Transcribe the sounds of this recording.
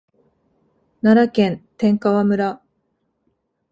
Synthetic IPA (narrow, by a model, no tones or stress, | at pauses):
naɾakẽ̞nt̪ẽ̞ŋkaβamɯ̟ɾa